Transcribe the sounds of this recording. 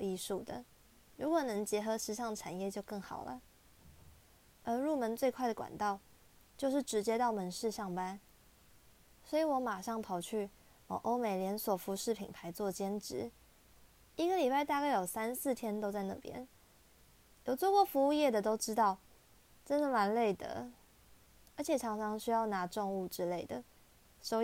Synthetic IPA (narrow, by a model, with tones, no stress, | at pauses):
i˥˧ʂu˥˩d̪ə̰˩ | ɻu˧˥kwɔ˨˩nɤ˧˥ŋt͡ɕjɛ˧˥xɤ˧˥ʂɻ̩˥˧ʂɑ˥˩ŋd̪ə˨˩ʈ͡ʂʰa̰˨˩njɛ˥˧t͡ɕjo˥˧ʊkɤ˥˩ŋxɑ̰˨˩ʊlə̰˦ | ə˧˥ɻu˥˩mə˧˥nt͡swe˥˧ɪkʰwa˥˩ɪdə˩kwa̰˨˩nt̪ɑ˥˧ʊ | t͡ɕjo˥˧ʊʂɻ̩˥˩ʈ͡ʂɻ̩˧˥t͡ɕjɛ˥t̪ɑ˥˩ʊmə˧˥nʂɻ̩˥˧ʂɑ˥˩ŋpa˥˦n | swɔ˧˥i˨˩˦wɔ˧˥ma˨˩ʂɑ˥˩ŋt̪ʰo˧˩ʊt͡ɕʰy˥˩ | wə̰˨˩ʔo˥ʊme˨˩ɪljɛ˧˥nswɔ˨˩fu˧˥ʂɻ̩˥˩pʰḭ˨˩ŋpʰa˧˥ɪt͡swɔ˥˩t͡ɕjɛ˥nʈ͡ʂɻ̩˧˦ | i˥ɡə˧li˨˩pa˥˩ɪt̪a˥˧ka˥˩ɪjo˨˩ʊsa˦ns̩˥˨t̪ʰjɛ˥nt̪o˥ʊt͡sa˥˧ɪna̰˥˧˩pjɛ̰˦˥n | jo˨˩ʊt͡swɔ˥˧kwɔ˥˩fu˧˥u˥˧jɛ˥˩d̪ə˩t̪o˥ʊʈ͡ʂɻ̩˥t̪ɑ˥˩ʊ | ʈ͡ʂə˦˥nd̪ə˨ma˧˥nle˥˩ɪd̪ə̰˩ | ə˞˧˥t͡ɕʰjɛ˨˩ʈ͡ʂʰɑ˧˥ŋʈ͡ʂʰɑ˧˥ŋɕy˥jɑ˥˩ʊna˧˥ʈ͡ʂʊ˥˧ŋu˥˩ʈ͡ʂɻ̩˥le˥˩ɪd̪ə̰˩ | ʂo˥ʊ